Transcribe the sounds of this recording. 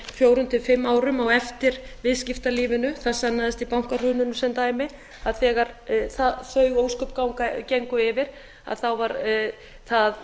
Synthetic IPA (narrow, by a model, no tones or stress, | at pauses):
fjoːwɾʏnt̪ɪfɪmːaːwɾʏmawɛft̪ɪɾ̥vɪðscɪft̪aliːvɪnʏθaðsːanːaðɪst̪ipawŋ̥kar̥ʏːnʏnʏsɛnt̪aːjmɪ | aðθɛːɣaɾ̥θaðθœɥɣowskœpkawŋkaceŋkʏɪvɪɾ̥ | a̰ðθawvaɾ | θað